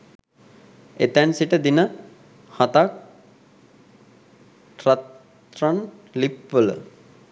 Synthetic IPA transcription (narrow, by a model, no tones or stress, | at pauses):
et̪ænsiʈəd̪inə | hat̪ak̚ | ʈrat̪ | ran | lipʋələ̰